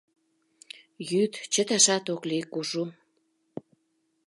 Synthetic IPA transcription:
jyt̪t͡ɕə̆t̪ɑʃɑt̪oklikuʒu

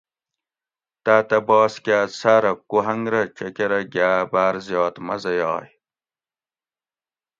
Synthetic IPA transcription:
t̪aːt̪ɐbɑːskʲaːsaɾɐkuɦɐŋɡɾɐt͡ɕɐkeɾɐɡaːbaːɾzjɑːt̪mɐzɐjɑːj

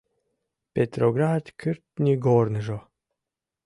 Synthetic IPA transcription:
pet̪ɾoɡɾat̪kʰɨɾt̪nʲiɡoɾnɨʒo

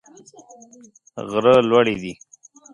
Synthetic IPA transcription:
ɣɾəlwaɽid̪i

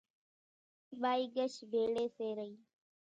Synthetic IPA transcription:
ɓaːiːɡəʃʋʱeːɭeːseːɾəiː

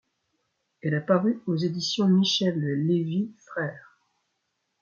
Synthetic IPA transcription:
ɛlapaʁyozed̪isjɔ̃miʃɛlːevifχɛːʁ

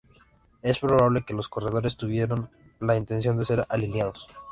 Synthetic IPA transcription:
e̞spɾo̞β̞aβle̞ke̞lo̞sko̞re̞ð̞o̞ɾe̞st̪uβje̞ɾo̞n | laint̪e̞ns̬jo̞nd̪e̞se̞ɾalinjaðos

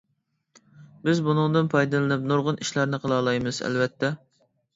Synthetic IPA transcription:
bɪzbunɨŋd̪ɨnpʰɑjd̪ɨlˠɨnɨp̚noɾʁʊniʃlæɾnɨqʰəlˠɑːlˠɑjmɨz̥ɛ̰lvɛt̪ʰːɛ

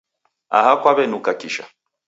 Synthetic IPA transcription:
a̰hakwaβɛnukakiʃa̰

